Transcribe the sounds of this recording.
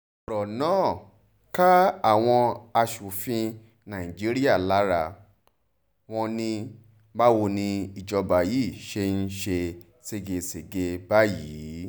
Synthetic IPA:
ɾɔ˨nãː˦˨ | ka˦a˦˨w̃ɔ̃˧a˧ʃu˨fĩ˧ | nã˨i˨d͡ʒi˦ɾi˦a˦˨la˨˦ɾa˧˨ | w̃ɔ̃˧nĩ˧ | ba˦wo˧nĩ˧i˨d͡ʒɔ˧ba˨ji˦˨ʃe˧n̩˦ʃe˧ | se˧ɡe˧se˨ɡe˧ba˦jiː˨˦

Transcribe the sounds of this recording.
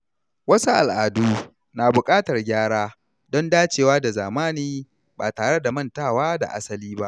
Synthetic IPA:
wɐ˦su˦ʔa˨lʔaː˨duː˦ | naː˨bʊ˨kʼaː˦tɐ˨rɡʲaː˦ɽaː˦ | dɔ˦ndaː˦t͡ʃeː˨waː˦da˨zaː˨maː˦niː˦ | ba̰ː˨taː˨ɽe˦da˨mɐ˦˨ntaː˦˨waː˦da̰˨ʔa̰˦sɐ˦liː˦ba˦ʔ

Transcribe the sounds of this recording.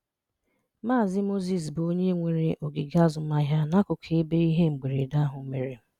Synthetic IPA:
maː˦˨zɪ˦mo˦zi˨s̬bo˦ɲe˦ŋʷe˨ɾe˦ʔo˨ɡɪ˨ɡa˦zʊ˨˦a˦ɦja˦na˦kʊ˨kʰe˦be˦i˦ɦe˦ŋ͡m̩˨ɡ͡be˨ɾe˨da˦ɦʊ˨˦me˨ɾe˨m̩˦

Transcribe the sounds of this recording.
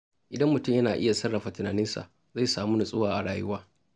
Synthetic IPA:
ʔɪ˨dɐ˦mːʊ˨tʊ˦˨mjɐ˦naː˨ʔɪ˦ja˨sɐ˦rːɐ˨ɸa˨tɪ˨naː˨nɪ˦nsa̰˨ | za˦˨jsaː˨muː˦na˨sʼʊ˦waː˨ʔa˨ɽaː˨jʊ˦waː˦

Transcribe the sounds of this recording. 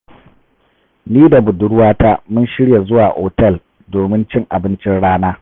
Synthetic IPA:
niː˦da˨bʊ˨dʊ˦ɽwaː˦taː˦mʊ˦nʃɪ˦ɽja˨zʊ˦waː˨ʔoː˨tɛ˦˨l | doː˨mɪ˦nt͡ʃɪ˦ŋʔa˨bɪ˦nt͡ʃɪ˦nɽaː˦naː˦

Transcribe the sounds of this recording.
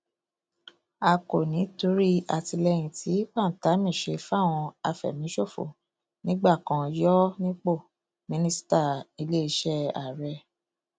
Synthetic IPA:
a˧ko˨nĩ˨˦tu˦ɾi˦a˨ti˧lɛ˦j̃ĩ˧tʰi˨˦k͡pa˦˨n̩˨ta˨˦mĩ˦˨ʃe˧fa˦˨w̃ɔ̃˧a˧fɛ̰˨mĩ˨˦ʃo˦˨fo̰˨ | nĩ˦ɡ͡ba˦˨kã˧jɔ˦nĩ˦k͡po˦˨ | mĩ˧nĩ˦sta˦˨i˧le˦i˧ʃɛ˦a˨ɾɛ˧˦

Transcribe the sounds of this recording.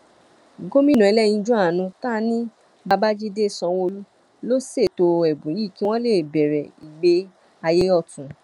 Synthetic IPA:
ɡo˦mĩ˦nũ˨ɛ˧lɛ˦jĩ˧d͡ʒũ˦a˦˨nũ˧ta˦nĩ˦ | ba˧ba˦d͡ʒi˦de˦˨sɔ̃˧wo˧lu˦ | lo˦se˦˨to˧ɛ˨bũ˨ji˦˨ki˦w̃ɔ̃˦le˦˨bɛ˨ɾɛ˨i˨ɡ͡be˧˦ | a˧je˦ɔ˦˨tũ˨

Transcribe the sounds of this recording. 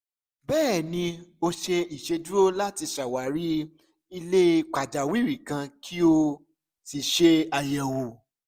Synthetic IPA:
bɛː˦˨nĩ˧o˧ʃe˧i˨ʃe˧du˦o˦la˦ti˧ʃa˨wa˨˦ɾi˦ | i˧le˦˧k͡pa˨d͡ʒa˨wi˦˨ɾi˨kã˧kʰi˦o˧ | si˨ʃe˧a˧jɛ̃˨wo˨

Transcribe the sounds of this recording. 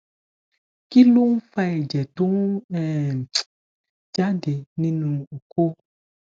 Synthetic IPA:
ki˦lu˦n̩˦fa˧˦ɛ˨d͡ʒɛ˨tu˦ɛ˨ | d͡ʒa˦de˨nĩ˦nũ˨o˨ko˦

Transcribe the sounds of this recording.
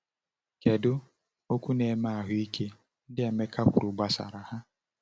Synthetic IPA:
ke˨dʊ˦ | o˦kʷu˦ne˨˦ma˦˨a˨ɦʊ˦i˦kʰe˦ | n̩˦dɪ˦e˨me˦kʰa˦kʷʊ˨ɾu˨ɡ͡ba˨sa̰˨ɾa˨ha˦

